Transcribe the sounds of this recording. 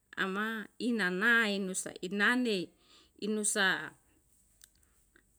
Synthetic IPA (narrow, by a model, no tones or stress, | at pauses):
a̰mainanainusa̰inane | inusa